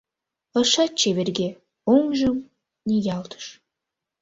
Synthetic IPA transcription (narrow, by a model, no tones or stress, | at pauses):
ə̆ʃɑt̚t͡ʃʰeverɡʲe | oŋʒəm | nʲijɑlˠt̪ʰə̥ʃ